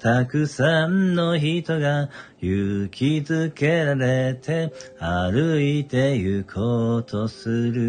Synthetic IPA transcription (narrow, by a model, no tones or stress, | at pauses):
t̪akɯ̟sãnːo̞çit̪o̞ɡajɯkʲʰizɨke̞ɾaɾe̞t̪ʰe̞aɾɯit̪e̞jɯ̟kʰot̪ʰo̞sɨɾɯ̟